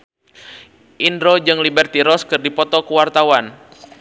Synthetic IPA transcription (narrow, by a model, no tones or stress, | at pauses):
ʔindɾod͡ʒɨŋlibɛrt̪iɾɔskɨrdipɔt̪ɔkəwart̪awan